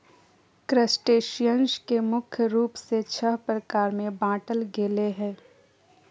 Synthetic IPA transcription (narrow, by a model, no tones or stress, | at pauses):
kɾəsʈeːʃijə̃nʃkemʊkʰjəɾuːpset͡ʃʰəɦpɾəkaːɾmẽbãːʈəlɡeːleɦɛ̃ː